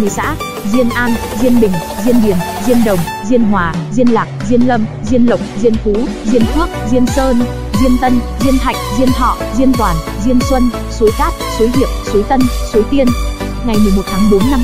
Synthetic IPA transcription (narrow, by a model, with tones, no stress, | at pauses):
i˨˩sa̰ː˧˥ | zi˧ənʔaː˧n | zi˧ənɓï˨˩ŋ̟zi˧ənɓi˨˩ən | zi˧ənɗə˨˩wŋ͡m | zi˧ənɦwaː˨˩zi˧ənlaː˨˩k̚zi˧ənlə˧mzi˧ənlə̰˨˩wk͡p̚zi˧ənfu˨˦zi˧ənt̪ʰwa˦˥k̚zi˧ənsəː˧n | zi˧ənt̪ə˧nzi˧ənt̪ʰa˨˩jk̟̚zi˧ənt̪ʰɔ̰˧˨zi˧ənt̪waː˨˩n | zi˧ənswə˧n | so˨˦jkaː˦˥t̚so˨˦ɦḭ˧˨əwso˨˦jt̪ə˧nso˨˦jt̪i˧ən | ŋa˨˩jmɨ˨˩əmo˨˩t̚t̪ʰaː˨˦ŋɓo˨˦nːa˧m